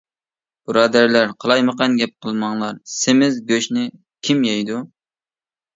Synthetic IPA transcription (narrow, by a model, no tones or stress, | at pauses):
b̥ɨɾɑːd̪æɾlæɾqʰəlˠɑjməqɑnɡʲɛp̚qʰəlˠmɑŋlˠɑɾsɪmɪzɡʲøʃnɪ | kʲʰimjɛjd̪u